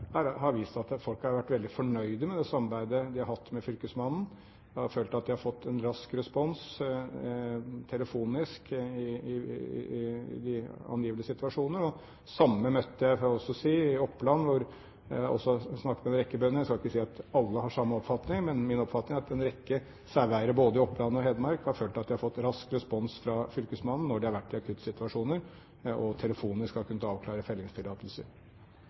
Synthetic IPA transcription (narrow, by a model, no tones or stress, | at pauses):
æɾhɑɾʋiːst̪ɑt̪fɔlkhɑɾʋæʈːʋɛld̪ɪfɔɳœʏd̪əmɛd̪ɛsɑmbæɪd̪əd̪ɪhɑɾhɑt̪ːmɛfʏlkəsmɑnn̩ | jæhɑɾføːlt̪ɑt̪̚d̪ɪhɑɾfɔt̪ʰːɛnɾɑskɾɛspɔns | t̪ʰɛləfuːnɪskɪɪ̰ | d̪ɪɑ̰njiːʋənəsɪt̪ʉɑʂuːnəɾɔ | sɑmːəmœt̪ːəjæɪfɔɔsːɔsiːɪɔpːlɑnːʋʊɾ | ɔ̰sːɔsnɑkːəmɛnɾɛkːəbœnːənæɛskɑlɪkːəsiːɑt̪ɑlːəɦɑʂɑmːɑɔpfɑt̪nɪŋmɛnmɪnɔpfɑt̪nɪŋæɾɑt̪d̪ɛnɾɛkːə | sæʋæɪəɾəboːd̪əɪɔpːlɑn̩ɔhɛːd̪mɑɾkhɑɾføːlt̪ɑt̪d̪æɪhɑɾfɔt̪ːɾɑskɾɛspɔnsfɾɑfʏlkəsmɑnn̩ːɔɖɪhɑɾʋæʈːɪɑkʰʉt̪ːsɪt̪ʉɑʂuːnəɾ | ɔt̪ʰɛləfuːnɪskhɑɾkʰʉnːət̪ɑːʋklɑːɾəfɛlːɪŋst̪ʰɪlɑːt̪əlsə̰ɾ